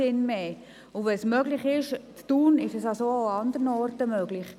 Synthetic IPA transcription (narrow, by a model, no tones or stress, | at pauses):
ɪnmeː | ʊʋɛsmœɡlɪχɪʃttuːnɪʃəsɑsooɑnd̪əɾnɔrtəmøɡlɪχ